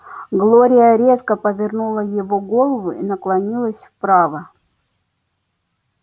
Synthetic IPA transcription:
ɡlˠoɾʲɪjəɾʲet̪kəpəvʲɪrnulˠəjɪvoɡolˠəvʊinəklˠɐnʲilˠəsʲfpɾavə

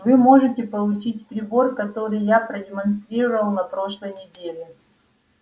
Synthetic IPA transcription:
vɨmo̞ʐɨtʲɪpəlˠʊt͡ɕitʲpɾʲɪbo̞rkɐt̪o̞ɾɨjjapɾədʲɪmɐnst̪ɾʲiɾəvəlˠnɐpɾo̞ʂlˠəjnʲɪdʲelʲɪ

